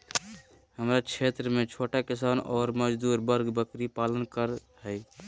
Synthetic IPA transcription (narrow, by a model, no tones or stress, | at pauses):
həmɾat͡ʃʰet̪ɾəmet͡ʃʰoʈakisanɔːɾməd͡ʒd̪uɾbəɾɡbəkɾipalənkəɾ | ɦəj